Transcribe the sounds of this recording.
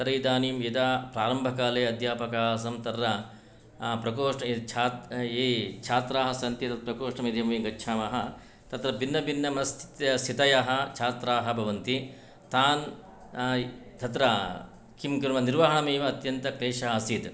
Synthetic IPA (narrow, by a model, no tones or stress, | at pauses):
t̪ɐɾɐid̪aːniːmjet̪aːpɾaːɾɐmbʱɐkaːleːɐd̪ʱjaːpɐkaːs̬ɐmt̪ɐɾːɐ | pɾɐkoːʂɐt͡ʃʰaːt̪eːt͡ʃʰaːt̪ɾaːɦɐsɐnt̪it̪ɐpɾɐkoːʂɳɐmed̪ʱjɐmɐʋiːɡɐtːʃʰaːmɐɦɐ | t̪ɐt̪ɾɐbinːɐbinːɐmɐɐst̪ʰt̪st̪ʰit̪ɐjaɦɐ̆t͡ʃʰaːt̪ɾaːɦɐ̆bʱɐʋɐnt̪i | t̪aːn | t̪ʰɐt̪ɾɐ | kʰimkɐɾmɐniɾʋɐɦɐɳɐmeːʋɐːt̪jɐnt̪ɐkɾeːʃɐɦɐɐsid̪